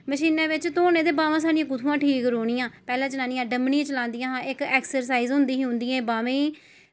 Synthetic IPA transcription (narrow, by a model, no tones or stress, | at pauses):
məʃiːnẽːʋɪt͡ʃt̪oːnẽːd̪eːbaːʋãːs̬aːɖɪjãːkʊt̪ʰũːãːʈʰiːkɾoːɽɪjãːpɛːlãːt͡ʃənaːnɪjãːɖəmniːt͡ʃəlãːnd̪ɪjãːɦãːɪkɛːksəɾs̬aːiːzɦʊnd̪iːɦʊ̃nd̪iːɛ̃ːbaːʋẽː